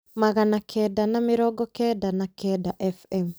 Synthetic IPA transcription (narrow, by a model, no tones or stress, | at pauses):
maɣanakʰɛdanamɪɾɔɡɔkɛdanakɛdaʔɛfɛm